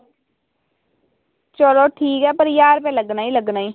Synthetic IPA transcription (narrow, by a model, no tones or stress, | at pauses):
t͡ʃəloːʈʰiːkɦɛːpəɾjaːɾpɛ̃ːləɡnaːiːləɡnaːiː